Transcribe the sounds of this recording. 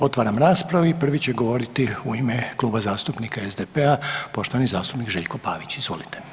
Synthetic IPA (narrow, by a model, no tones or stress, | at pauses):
o̞t̪ʋaːɾamɾaːspɾaʋuipr̩ʋit͡ɕe̞ɡo̞ʋo̞ɾit̪iuime̞klˠuːbazaːst̪upnikaezd̪epeapo̞ʃt̪oanizaːst̪upnikʒeːʎko̞pa̰ːʋit͡ɕizʋo̞̰lit̪e